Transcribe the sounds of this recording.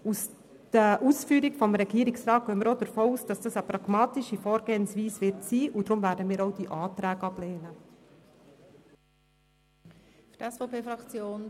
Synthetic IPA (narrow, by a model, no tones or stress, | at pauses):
us | d̥əʔuːsfyːɾikfɔmɾɛɡiːɾiksrɑːt̚œəmːəɾodəɾfoːuːsd̥ɑsd̥ɑsəpɾɑɡ̥mɑːtiʃifɔːɾɡeːnsʋiːsʋɪɾtsiːʔud̥̪ɾʊmvæːɾdəmiːɾɔwd̥iʔɑːtɾæːɡɑbleːnə | fydɛsfɔʊpʰeːfɾɑkt͡sjoːn